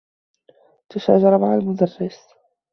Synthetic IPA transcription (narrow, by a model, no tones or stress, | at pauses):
t̪aʃa̰ːʒɑɾˤamaʕalmʊd̪arːɪs